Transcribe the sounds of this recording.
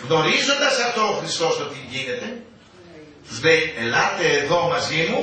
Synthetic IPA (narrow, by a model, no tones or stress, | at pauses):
ɣno̞ɾizo̞nd̪ɐsɐft̪o̞ːxɾist̪o̞st̪ot̪iʝine̞t̪e̞ | t̪uzleelɐt̪e̞ːðo̞mɐzimu